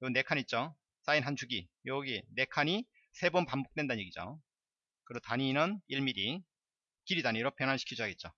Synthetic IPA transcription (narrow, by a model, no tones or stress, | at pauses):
joɡɯnːe̞kʰaɲit̚t͡ɕ͈o | s͈ainɦant͡ɕuɡijʌɡine̞kʰaɲi | sʰe̞bonpambok̚t͈we̞ndanɲje̞ɡid͡ʑo̰ | kɯɾʌtaɲinɯniɭmiɾi | kiɾidaɲiɾopjʌnɦanɕʰi̥kʰid͡ʑoɦaɡe̞t̚t͡ɕ͈o